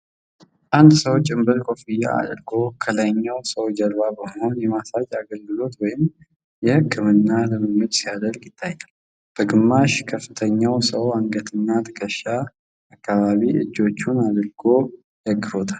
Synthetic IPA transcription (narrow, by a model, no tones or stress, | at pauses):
ʔand̪səwt͡ʃʼːɨmbəɾkʼo̞fijːa̰a̰d̪ɾɡo̞kʰələɲːawsəwd͡ʒəɾβabəməho̞njɛmasad͡ʒaɡəlɡɨlo̞t̪wɔjɪm | jɛhɨkʰːɨmɨnːaləmɨmːɨt̪sijad̪əlkjɪt̪ʰːajal | b̥əɡɨmːaʃkʰəfːɨt̪ʰəɲːawsəwaŋɡət̪ʰɨnːat̪ʰə̥kʰʼəʃːa | akːaβaβiɨ̰d͡ʒːo̞t͡ʃːunad̪ɾɡo̞ | jaɡːɨfot̪ʰal